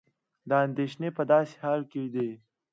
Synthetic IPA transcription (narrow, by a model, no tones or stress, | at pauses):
d̪əand̪eʃnepəd̪ɑːse̥hɑːlked̪e